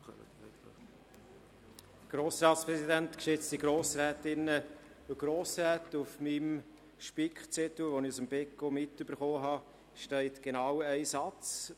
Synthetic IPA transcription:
ɡ̥ɾoːsɾɑːtspɾɛsidænt̪kʃɪt͡stiɡ̥ɾoːsɾɛːt̪ɪnːə | ɡ̥ɾoːsɾɛːtufmim | ʃpikχt͡sɛt̪l̩ʋonɪusəmbɛkomɪtyb̥əɾχoːɦɑ | ʃtɛɪtɡ̥enɑwɛɪsɑt͡s

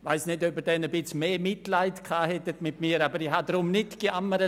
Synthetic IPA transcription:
vaɪsnɪdøbədɛnəbɪt͡smeːmɪtlaɪtkʰaːhɛtətmɪtmiːɾaːbəɾihadɾʊmnɪtɡ̥iʔaməɾə

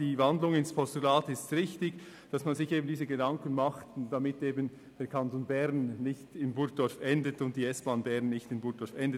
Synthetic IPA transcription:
d̥iːvandlʊŋɪnspʰɔstulaːtɪstʁɪçtɪɡ | d̥ɑsmanzɪçeːbən̩diːzəɡedɑŋkənmɑχtd̥amɪteːbən | d̥ɛːɐɾkʰɑntonbɛʁnːɪçtɪnbʊɾ̚d̥ɔɾfʔɛndətʊnt̚d̥iːɛsb̥aːnbɛʁnːɪçtɪnbʊɡ̚d̥ɔfɛndə

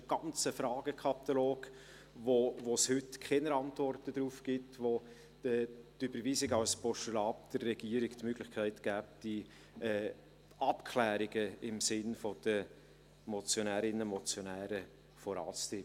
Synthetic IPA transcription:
ɡ̥ɑnt͡səfɾɑːɡ̥əkʰɑt̪aloːɡ̥ | vovoshʏtkʰɛnəɾɑntvɔrtədɾuːfɡ̥ɪtʋo | d̥ətybəɾviːsɪɡɑwspɔʃulɑːp̚d̪̥ərɛɡ̥iːəɾɪɡtmøɡlɪχkʰæɪtɡ̥æːp̚d̥i | ɛ | ʔɑpkʰlæːɾɪɡəɪmsɪnfod̥ə | mɔt͡sjonæːɾɪnəmɔt͡sjonæːɾə | fɔɾɑ̰ːt͡st̪ɪ

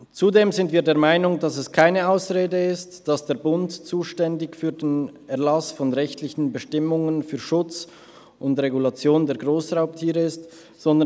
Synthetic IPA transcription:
t͡sudeːmzɪntv̥iːɐdeːɐmaɪnʊŋdasɛskʰaɪnəaʊsʁeːdəɪstd̥asd̥eːɐbʊntt͡suːʃtɛndɪçfyːɐdeːnɛɐlasfɔnʁɛçtʰlɪçn̩bəʃtɪmʊŋənfyːɐʃʊt͡s | ʔʊndʁeɡulat͡sjoːndeːɐɡʁoːsʁaʊp̚tʰiːʁəɪst | z̥ɔndə

